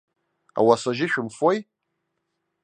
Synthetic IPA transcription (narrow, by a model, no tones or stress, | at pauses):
a̰wasaʒɪʃᶣʊmfoj